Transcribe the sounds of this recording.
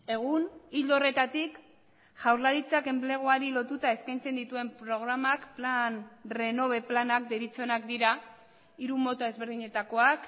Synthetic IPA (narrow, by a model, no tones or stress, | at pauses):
e̞ɣ̞unild̪ore̞t̪at̪ik | ʝ̥awɾlaɾit͡sake̞mple̞ɣ̞oaɾilo̞t̪ut̪ae̞skajnt͡se̞nd̪it̪ue̞mpɾo̞ɣ̞ɾamakplanre̞no̞β̞e̞planak̚d̪eɾit͡sonakd̪iɾa | iɾumo̞t̪ae̞zβe̞ɾð̞iɲe̞t̪ako̞ak